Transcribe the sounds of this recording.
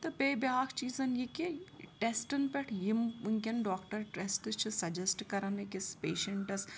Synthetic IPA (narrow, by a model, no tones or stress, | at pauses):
t̪ɐpeːbjaːkʰt͡ʃiːzɐnjikiʈesʈɐnpɛʈʰjimuŋkʲɐnɖɔːkʈɐɾʈesʈt͡ʃʰɨsɐd͡ʒɐsʈkɐɾɐnekɪspeːʃeɳʈɐs